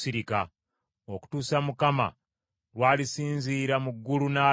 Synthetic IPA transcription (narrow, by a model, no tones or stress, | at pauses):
siɾika | oku̥tuːsamukama̰ | lwaːlisiːnziːɾamuɡːulunaː